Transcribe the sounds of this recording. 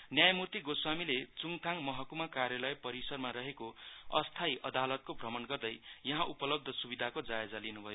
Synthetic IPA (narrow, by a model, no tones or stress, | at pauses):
njajʌmurt̪iɡoswamilet͡suŋt̪ʰaŋmʌɦʌkumakarjʌlʌjpʌɾisʌrmaɾʌɦekoʌ̰st̪ʰajʔʌd̪alʌt̪̚kobʱrʌmʌnɡʌrd̪ʌjjʌɦãʔupʌlʌb̚d̪ʱʌsubid̪ʱakod͡zaed͡zalinubʱʌjo